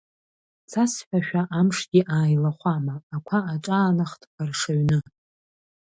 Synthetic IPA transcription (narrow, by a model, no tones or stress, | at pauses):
t͡sʰasħʷᶣaʃᶣaʔamʂɡʲiʔaːjlaχʷamaːkʷʰaaʈ͡ʂʼaːnaχtʰʼpʼarʂaɥnɨ